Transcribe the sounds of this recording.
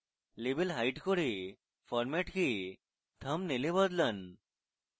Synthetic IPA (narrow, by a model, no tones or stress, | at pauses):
lebelɦajʈkoɽe | fʰɔɾmeʈkʰi | t̪ʰəmnelebəd̪lən